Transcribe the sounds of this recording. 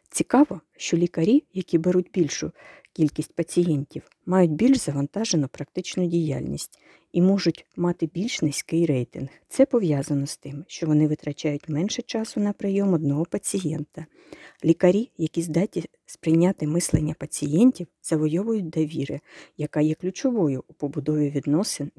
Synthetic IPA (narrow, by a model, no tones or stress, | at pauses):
t͡sʲikɑʋɔ | ʃt͡ʃɔlʲikɐɾʲijɐkʲibeɾutʲbʲilʲʃʊ | kʲilʲkʲisʲtʲpɐt͡sʲijɛnʲtʲiw | mɑjʊtʲbʲilʲʃz̥ɐʋɐnt̪ɑʒenʊpɾɐk̚t̪ɪt͡ʃnʊdʲija̰lʲnʲḭsʲtʲ | imɔʒʊtʲmɑt̪ɪbʲilʲʃnɪsʲkɪjɾɛjt̪ɪ̰nht̪sɛpɔʋjɑzɐnɔst̪ɪmʃt͡ʃɔʋɔnɪʋɪt̪ɾɐt͡ʃʲajʊtʲmɛnʃɛt͡ʃɑsʊnɐpɾɪjɔmɔd̪̚nɔɦɔpɐt͡sʲijɛnt̪ɐ | lʲikɐɾʲijɐkʲizd̪ɑtʲi | spɾɪjnʲat̪ɪmɪslˠenʲːɐpɐt͡sʲijɛnʲtʲiwz̥ɐʋɔjɔʋʊjʊt̚ʲd̪ɐʋʲiɾɪjɐkɑjɛklʲʊt͡ʃɔʋɔjʊʔʊpɔbʊd̪ɔʋʲiʋʲid̪nɔsɪn